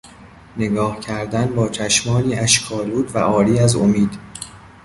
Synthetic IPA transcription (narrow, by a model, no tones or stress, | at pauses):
ne̞ɡɒːhcʰæɾd̪ænbɒːt͡ʃʰæʃmɒːliːʔæʃkʰɒːluːd̪væ̰ʔɒːɾiːæzomiːd̪̥